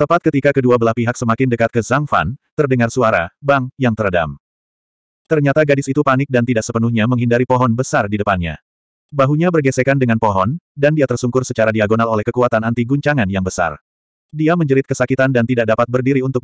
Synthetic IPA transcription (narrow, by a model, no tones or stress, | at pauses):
t̪əmpat̪̚kət̪ikakəduabəlahpiɦaksəmakɪndəkat̪̚kəzaŋfa̰nt̪ərdəŋarsuaɾabaŋjaŋt̪ərda̰m | t̪ərɲat̪aɡadɪsit̪upanɪk̚dant̪idaʔsəpənuhɲaməŋɦindaɾipɔɦɔnbəsardidəpanɲa̰ | baɦuɲabərɡɛsɛkandəŋanpɔɦɔndandiat̪ərsuŋkʊrsət͡ʃaɾadiaɡonalolɛhkəkuat̪anant̪iɡuɲt͡ʃaŋanjaŋbəsa̰r | diaməɲd͡ʒəɾɪt̪̚kəsakit̪andant̪idaʔ̚dapat̪̚bərdiɾiunt̪ʊk̚